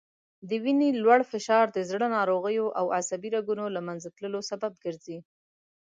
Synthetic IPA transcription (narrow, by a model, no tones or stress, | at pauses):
d̪əwinelwaɽfɪʃɑɾd̪əzɽənɑɾoɣəjoʔawasabiɾaɡunolamanzat̪ləlosabab̚ɡəɾzi